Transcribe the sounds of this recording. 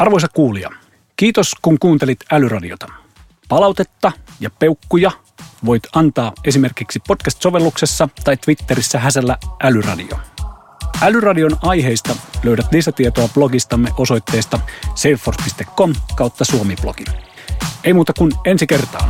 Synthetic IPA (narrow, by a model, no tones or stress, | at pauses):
ʔɑrʋo̞jsɑkkuːliɑ̰ | kiːt̪oskuŋkuːnt̪elit̪ælyrɑdiot̪ɑ̥ | pɑlɑwt̪e̞t̪ːɑjɑpe̞ukːujɑ | ʋo̞jt̪ɑnt̪ɑːe̞simerkiksipo̞t̪kæst̪so̞ʋe̞lːuksesːɑt̪ɑjt̪ːʋit̪ːe̞ɾisːæɦæselːæʔælyrɑ̰dḭo̰ | ʔælyrɑdio̞nɑjɦeist̪ɑløyɾæt̪lisæt̪iet̪oɑb̥loɡist̪ɑmːeʔo̞so̞jt̪ːe̞ːst̪ɑsefːorspist̪ekːomkɑˑwt̪ːɑsuomib̥lo̰ɡ̥in | eimuːt̪ɑkune̞nsike̞rt̪ɑ̰ː